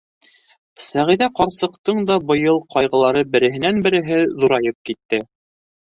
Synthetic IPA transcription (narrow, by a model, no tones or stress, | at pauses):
sæʁiðæqɑɾsɤ̆qt̪ɤɴd̪ɑbɤ̆jɤlˠqɑjʁɤ̆lˠɑɾɤbɘ̆ɾɘ̆ɦɘ̆nænbɘ̆ɾɘ̆ɦɘðuɾɑjɤp̚kit̪ːɘ